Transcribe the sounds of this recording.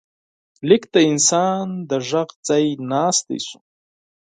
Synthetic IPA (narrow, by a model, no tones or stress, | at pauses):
likʰtainsandaʐaqʼt͡sʼajnaːstʰʼḭsʷum